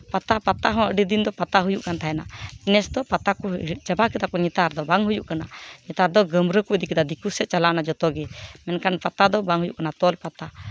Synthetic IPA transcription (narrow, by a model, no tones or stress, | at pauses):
pat̪apat̪aɦɔ̃əɖid̪ind̪ɔpat̪aɦujuʔkant̪ʰaɛnainɛsd̪ɔpat̪akɔit͡ʃabakɛt̪akɔɲɛt̪aɾd̪ɔbaŋɦujuʔkanaɲɛt̪aɾd̪ɔɡəmɾəkud̪ikɛd̪ad̪ikusɛʔ̚t͡ʃalanad͡ʒɔt̪ɔɡɛmɛnkanpat̪ad̪ɔbaŋɦujuʔkanat̪ɔlpat̪a